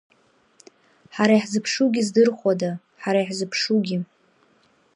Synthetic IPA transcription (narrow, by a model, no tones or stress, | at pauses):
ħaɾaiħzɨpʰʂuɡʲizdɨrχʷada | ħaɾaiħzɨpʰʂuɡʲi